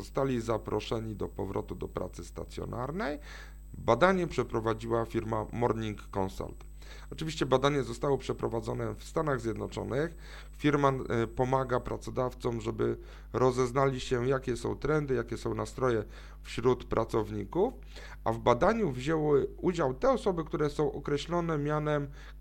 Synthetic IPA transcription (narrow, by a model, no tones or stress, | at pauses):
ɔst̪alʲizapɾɔʂɛɲid̪ɔpɔvɾʔɔ̰t̪ud̪ɔpɾa̰t̪sɘst̪a̰t̪sʲjɔ̰nʔa̰ɾnɛj | bad̪aɲɛpʂɛpɾɔvad͡ʑiwafʲiɾmamɔɾɲiŋkːɔnsa̰lt̪ | ɔt͡ʂɘvʲiɕt͡ɕɛbad̪aɲɛzɔst̪awɔpʂɛpɾɔvad̪zɔnɛfst̪anaɣzʲjɛd̪nɔt͡ʂɔ̰nɘx | fʲiɾmapɔmaɡapɾʔat̪sɔd̪aft̪sɔmʐɛbɘ | ɾɔzɛznalʲiɕɛjakʲɛsɔ̃w̃t̪ɾɛnd̪ɘjakʲɛsɔ̃w̃nast̪ɾɔjɛ | fɕɾut̪pɾʔat̪sɔvɲikuf | ʔa̰vbad̪aɲuvʑɛwɪud͡ʑawt̪ɛɔsɔbɘkt̪uɾɛsɔ̃w̃ʔɔkɾɛɕlɔnɛmʲjanɛm